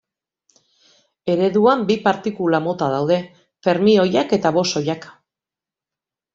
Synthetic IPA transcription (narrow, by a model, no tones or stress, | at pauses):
e̞ɾe̞ðuambipaɾt̪ikulamo̞t̪að̞awð̞e̞ | fe̞ɾmio̞jake̞t̪aβo̞so̞jak